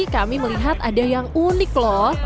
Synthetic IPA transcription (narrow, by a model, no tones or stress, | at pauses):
ikamiməliɦat̪adajaŋunɪklɔ